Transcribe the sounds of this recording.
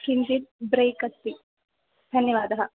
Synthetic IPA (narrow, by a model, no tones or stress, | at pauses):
ʃɾind͡ʒid̪̚bɾeːkɐt̪ːi | d̪ʱɐnjɐʋaːd̪ɐɦɐ̆